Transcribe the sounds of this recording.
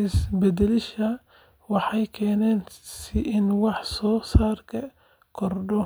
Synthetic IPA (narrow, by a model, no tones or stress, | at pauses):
ɪsbɛd̪ɛlɪʃɐ | wɑħɑjkʰɛːnɛːnsɪʔɪnwɑħsɔːsaːrkʰɐ | kʰɔrɖɔ